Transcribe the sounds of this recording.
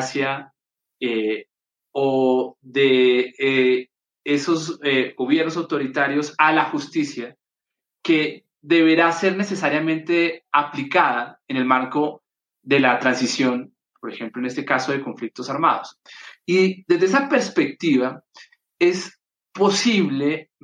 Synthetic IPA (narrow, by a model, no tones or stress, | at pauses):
sja | e | oðee | eso̞zeɡo̞βje̞ɾnos̬awt̪o̞ɾit̪aɾjo̞salaxust̪isja | ke̞ | ðe̞βe̞ɾase̞ɾne̞se̞saɾjamẽ̞nt̪e̞aplikaðaene̞lmaɾko | ðe̞lat̪ɾansisjo̞n | po̞ɾe̞xe̞mploene̞st̪e̞kaso̞ð̞e̞ko̞ɱflik̚t̪o̞saɾma̰ðosid̪ezdeesape̞ɾspe̞k̚t̪iβa | e̞s | po̞siβle̞